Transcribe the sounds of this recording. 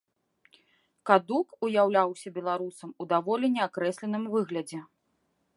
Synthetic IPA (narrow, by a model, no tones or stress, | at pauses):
kad̪ukujawlʲawsʲɐbʲɛlˠaɾusɐmud̪avɔlʲinʲɛakɾɛsʲlʲɛnɨmvɨɣlʲɐd͡zʲɛ